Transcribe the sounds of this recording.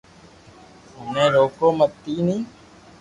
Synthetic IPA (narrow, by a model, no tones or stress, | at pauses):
ɦʊnẽːɾoːkoːmət̪ːiːnĩː